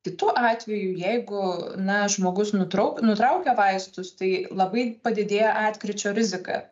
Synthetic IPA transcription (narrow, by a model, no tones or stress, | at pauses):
kʲɪt̪uːʔɑːt̪ʲʋʲɛjuːjɛɪɡʊnɐʒmoːɡʊsnʊt̪ɾɐʊknʊt̪ɾɐʊkʲɛʋɐɪst̪ʊst̪ɐɪlˠɐbɐɪpɐd̪ʲɪd̪ʲeːjɛʔɑːt̪ʲkɾʲɪt͡ʃʲoːɾʲɪzʲɪkɑ̰